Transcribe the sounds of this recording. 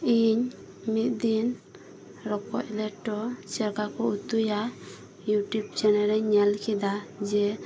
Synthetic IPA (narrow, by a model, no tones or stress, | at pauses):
iɲ | mit̪̚d̪in | ɾɔkɔ̰c̚lɛʈːɔsɛɾkakɔut̪uja | juʈjubt͡ʃɛnɛɾɛɲɛlkʰid̪ad͡ʒɛ